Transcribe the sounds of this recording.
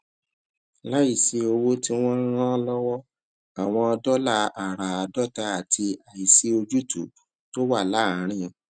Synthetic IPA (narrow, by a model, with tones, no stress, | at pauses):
la˦i˦˨si˧o˧wo˦ti˦w̃ɔ̃˦ɾ̃ã˦lɔ˦wɔ˦ | a˨w̃ɔ̃˧ɔ˧dɔ˦la˦a˨ɾa˨a˨dɔ˦ta˧˦a˨tʰi˧a˨i˨si˦o˧d͡ʒu˦tṵ˨ | to˦wa˦˨la˨˦˨ɾ̃ĩ˦˨